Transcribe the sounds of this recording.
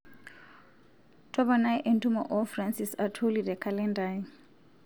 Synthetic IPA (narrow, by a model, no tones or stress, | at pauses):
tʰʼɔbanajʔɛntʰʼumaʔɔfransisatʰolidɛkʰalɛndai